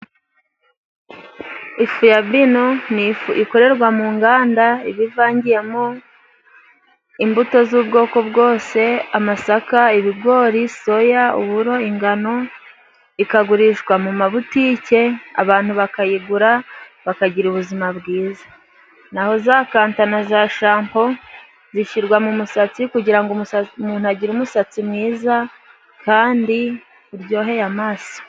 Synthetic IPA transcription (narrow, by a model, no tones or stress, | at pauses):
ifujabinonifuiko̞ɾe̞ɾɡwamuːŋɡaːndaiβivaːɲɟije̞mo | imbuto̞zuːbɡo̞ːko̞bɡo̞ːse̞amasakaiβiɡwo̞ːɾiso̞jaṵβuɾo̞iŋɡano̞ | ikaɡuɾiʃɡwamumaβutiːce̞a̰βaːn̥huβakajiɡuɾaβakaɟiɾuβuzimaβɡiːzḁ | naho̞zaːkaːntanazaʃaːmpo̞ | ziʃiɾɡwamumusat͡sikuɟiɾaŋɡuumuːn̥uaɟiɾumusat͡simŋiːza | kaːndi | uɾɟo̞ːɦe̞jamaːso̥